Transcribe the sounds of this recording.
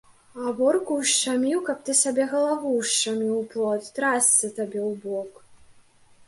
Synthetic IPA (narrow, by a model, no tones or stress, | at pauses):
abɔrkuwʂt͡ʃamʲiwkɐp̚t̪ɨsʲabʲɛɣɐlˠavuʂt͡ʂamʲiwplˠɔt̪ʲt̪ɾasʲt͡s̪ʲɐt̪abʲɛwbɔk